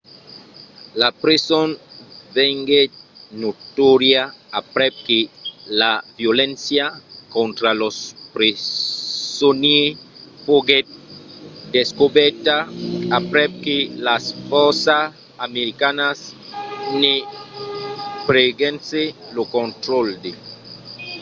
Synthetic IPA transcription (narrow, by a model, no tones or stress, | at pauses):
lapɾesonveŋɡenot̪oɾjaːpɾep̚kelavjolẽnsjakont̪ɾalospɾe | soniepoɡe | d̪eskobɛɾt̪aapɾɛp̚kelasfoɾsa | ameɾikanas | ne | pɾeɡenselokont̪ɾold̪e